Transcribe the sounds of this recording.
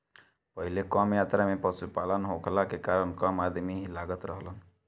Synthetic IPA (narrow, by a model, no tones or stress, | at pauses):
pəɦɪlekɔːmjaːt̪ɾamẽpəsupaːlənɦokʰlakekaːɾəɳkamaːd̪miɦilaːɡət̪ɾəɦlən